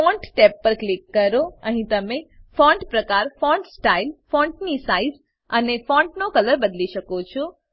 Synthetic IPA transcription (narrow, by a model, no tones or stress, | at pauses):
fɔ̃ɳʈʈepːəɾklikːəɾoəɦĩt̪əmefɔ̃ɳʈpɾəkaɾfɔ̃ɳʈsʈailfɔ̃ɳʈnisaiz | ənefɔ̃ɳʈnokələɾbəd̪liʃəkot͡ʃʰo